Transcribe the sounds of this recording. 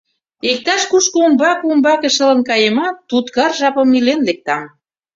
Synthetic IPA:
ek̚t̪ɑʃkuʃkoombɑkumbɑkə̆ʃə̆lə̆nkɑjemɑt̪ːut̪kɑrʒɑpə̆mːilenlek̚t̪ɑm

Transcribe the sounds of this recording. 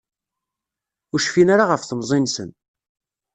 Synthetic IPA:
ʊɾʃfinaɾaʁəfθəmzˤinsən

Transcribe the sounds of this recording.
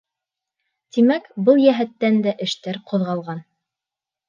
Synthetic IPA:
t̪imækbɤlˠjæɦæt̪ːænd̪æʔɘ̆ʃt̪æɾqʰŏðʁɑlˠʁɑn

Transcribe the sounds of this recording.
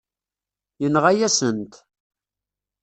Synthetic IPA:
jənʁæjæsənt̪

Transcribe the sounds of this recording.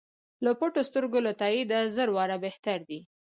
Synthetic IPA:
ləpoʈost̪əɾɡolat̪ɑjid̪azəɾwɑɾabeht̪aɾd̪i

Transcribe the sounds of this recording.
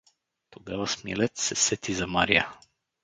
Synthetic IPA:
t̪oɡavasmiɛ̰lɛt̪sɛsɛt̪izɐmaɾia

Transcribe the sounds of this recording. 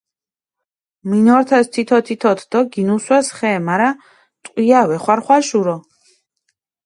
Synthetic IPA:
minɔɾt̪ʰast̪ʰit̪ʰɔt̪ʰit̪ʰɔt̪ʰd̪̥ɔɡinuswɛsχɛːmaɾa | t̪ʼqʼwiavɛχwaɾχwaʃuɾɔ

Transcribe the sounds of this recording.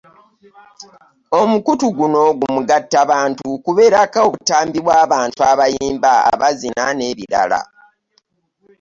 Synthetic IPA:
o̞mukutuɡuno̞ɡumuɡatːaβaːntukuβe̞ːɾakao̞βutaːmbiβwaːβaːntuaβajiːmba̰ːβazinane̞ːβiɾa̰la̰

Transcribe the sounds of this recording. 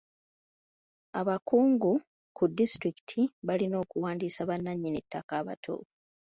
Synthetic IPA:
aβakuːŋɡu | kudːistɾiki̥tʰiβalino̞ːkuwaːndiːsaβanːaɲːinetːakaːβa̰tʰo̰ː

